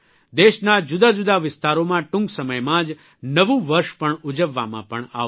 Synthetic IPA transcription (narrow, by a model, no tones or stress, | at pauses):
d̪eʃnad͡ʒʊd̪ad͡ʒud̪aʋɪst̪aɾomãʈũŋɡsəməjmãd͡ʒ | nəʋũʋəɾʃpəɳʊd͡ʒəʋːa̰mã̰pəɳa̰